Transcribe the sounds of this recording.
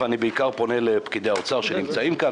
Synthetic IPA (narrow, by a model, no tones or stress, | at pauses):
anibeikaʁpo̞ne̞lepkid̪e̞jaot͡saʁʃenimt͡saimka